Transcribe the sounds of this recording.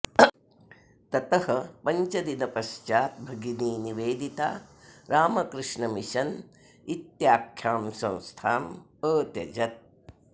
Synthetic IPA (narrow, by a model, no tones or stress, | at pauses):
t̪ɐt̪ɐhɐpɐɲt͡ʃɐd̪inɐpɐʃt͡ʃaːt̪̚bʱɐɡiniːniʋeːd̪it̪a̰ːɾaːmɐkɾɨʂɳɐmiʃɐn | it̪jaːkʰjaːmsɐ̰̃w̃st̪ʰaːm | əːt̪jɐ̰d͡ʒɐt̪̚